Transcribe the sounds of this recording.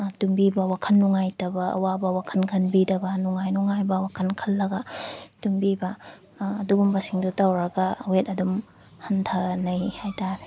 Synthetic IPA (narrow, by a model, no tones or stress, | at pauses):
tumbibɐwakʰɐnːuŋajtɐbɐ̰ːwabɐwakʰɐnkʰɐnbidɐbɐnuŋajnuŋajbɐwakʰɐnkʰɐlːɐɡɐtumbibɐː | duɡumbɐsiŋdutawɾɐɡɐwetɐdum | hɐntʰanɐjhajtaɾ